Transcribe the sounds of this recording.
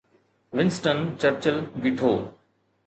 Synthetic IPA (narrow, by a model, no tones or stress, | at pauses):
ʋɪ̃nsʈənt͡ɕəɾt͡ɕəlʋiʈʰoː